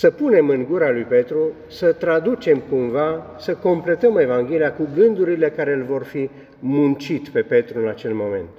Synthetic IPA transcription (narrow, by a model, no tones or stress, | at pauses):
səpune̞mɨŋɡuɾalujpe̞t̪ɾu | sət̪ɾad̪ut͡ʃe̞mkumva | səko̞mple̞t̪əme̞vaŋɡʲe̞liakuɡɨnd̪uɾile̞kaɾe̞ɨlvo̞rfi | munt͡ʃit̪pe̞pe̞t̪ɾuɨnat͡ʃe̞lmo̞me̞̰nt̪